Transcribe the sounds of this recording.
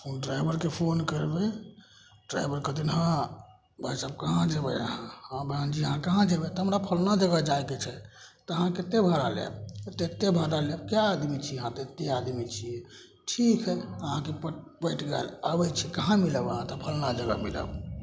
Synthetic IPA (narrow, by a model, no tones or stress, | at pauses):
pʰonɖɾajbʱəɾkepʰonkəɾbe | ɖɾa̰jbʱəɾkət̪inɦã | bəsəb̚kəɦãd͡ʒebɛ̰ə̰ɦãhãbãnd͡ʒiəɦãkaɦãd͡ʒebɛt̪ɔɦəmɾapʰəlnad͡ʒəɡəd͡ʒajket͡ʃʰɛ | t̪ɔəɦãket̪ebʱaɾalḛbt̪et̪ebʱaɾalebkjaːd̪mit͡ʃʰiəɦãt̪et̪ead̪mit͡ʃʰie | ʈʰikɦəəɦãkep | bəʈʰɡɛ̰labət͡ʃʰikaɦãmiləbəɦãt̪ɔpʰəlnad͡ʒəɡə̰mḭlə̰b